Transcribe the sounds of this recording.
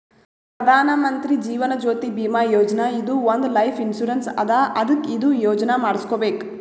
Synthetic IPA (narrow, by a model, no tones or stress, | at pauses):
pɾɐd̪ʱaːnɐmɐnt̪ɾid͡ʒiːʋɐnɐd͡ʒoːt̪ibiːmaːjoːd͡ʒɐnɐid̪uʋond̪lɐjpʰinsuɾɐnsɐ̰d̪aʔɐd̪ɐkːid̪ujoːd͡ʒɐnɐmaːɽiskoːbeːk